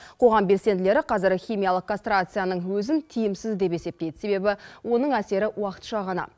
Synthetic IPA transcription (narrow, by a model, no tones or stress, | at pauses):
qʰo̞ʁɑmbe̞lse̞nd̪ɪle̞ɾɪqʰɑzɪɾχʲijmʲijalˠəq̚kʰːonst̪ɾat̪sɨjanəɴwɵzɪnt̪ʰijɪmsɪzd̪e̞pe̞se̞p̚t̪e̞jd̪ɪse̞βe̞bɪwo̞nəɴæse̞ɾɪwɑqə̥t̪ʃɑʁɑnɑ̰